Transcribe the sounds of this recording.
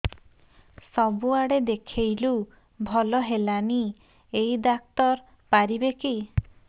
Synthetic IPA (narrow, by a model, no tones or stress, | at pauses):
sɔbuaɽed̪ekʰejlu | bʱɔlɔɦelani | ejd̪ak̚t̪ɔɾ | paɾibeki